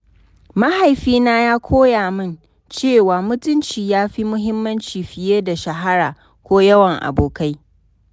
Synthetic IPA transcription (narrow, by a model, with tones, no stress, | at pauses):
ma˦ha˨jɸiː˦naː˦jaː˦kʷʰoː˦jaː˨mɪ˦n | t͡ʃeː˦˨waː˨mʊ˦tʊ˦nt͡ʃiː˨jaː˦ɸi˦mʊ˦ɦɪ˦mːɐ˦nt͡ʃiː˨ɸɪ˨jeː˦da˨ʃɐ˨ɦa˦ɽaː˨ | kʷoː˦jɐ˦wɐ˨ŋʔa̰˨boː˨ka˦j